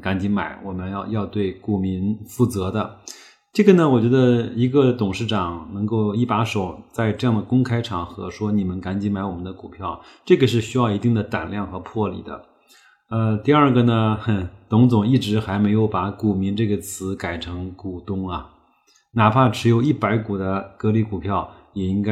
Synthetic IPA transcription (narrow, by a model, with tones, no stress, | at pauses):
ka˧˥nt͡ɕi˧˥ŋma̰˧˥ɪwʔɔ˨˩mə˦njɑ˥˧ʊjɑ˥˧ʊt̪we˥˩ɪku˨˩mi˧˥nfu˥˩t͡sɤ˧˥d̪ə˧ | ʈ͡ʂɤ˥˩ɡə˩nə˩wɔ˨˩t͡ɕɥɛ˧˥d̪ə˧i˧˥ɡə˧t̪ʊ˨˩ŋʂɻ̩˥˩ʈ͡ʂɑ˨˩ŋnɤ˧˥ŋko˥˧ʊi˥˩pa˧˥ʂo˨˩˦ʊt͡sa˥˧ɪʈ͡ʂɤ˥˧jɑ˥˩ŋd̪ə˩kʊ˥ŋkʰa˥ɪʈ͡ʂʰɑ˨˩ŋxɤ̰˧˥ʂwɔ˥ni˨˩mə˦nka˧˥nt͡ɕi˧˥nma˧˥ɪwɔ˨˩mə˦nd̪ə˧ku˨˩pʰjɑ˥˩ʊʈ͡ʂɤ˥˩ɡə˩ʂ̬ɻ̩˥˩ɕy˥jɑ˥˩ʊi˧˥t̪i˥˩ŋd̪ə˩t̪a̰˨˩nljɑ˥˩ŋxɤ˧˥pʰwɔ˥˩lḭ˨˩d̪ə̰˦ | ə˧t̪i˥˧ə˞˥˩ɡə˩nə˩t̪ʊ˧˥ŋt͡sʊ˨˩ŋi˥˩ʈ͡ʂɻ̩˧˥xa˧˥ɪme˧˥ɪjo˧˥ʊpa˧˥ku˨˩mi˧˥ŋʈ͡ʂɤ˥˩ɡə˩t͡sʰɹ̩˧˥ka˨˩ɪʈ͡ʂʰɤ˧˥ŋku˨˩t̪ʊ˥ŋɐ˨˩ | na˨˩pʰa˥˩ʈ͡ʂʰɻ̩˧˥jo˧˥ʊi˥˩pa˧˥ɪku˨˩d̪ə˦kɤ˧˥li˧˥˩ku˨˩pʰjɑ˥˩ʊ | jɛ˨˩i˥ŋka˥